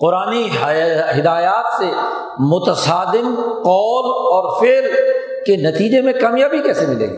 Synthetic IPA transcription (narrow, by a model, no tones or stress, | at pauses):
qʊɾaːniɦɦɪd̪aːjaːt̪se | mʊt̪əsaːd̪ɪmqɔːlɔːɾfeːl | kenɐt̪iːd͡ʒemẽkaːmijaːbʱikɛːsemɪlḛːɡaː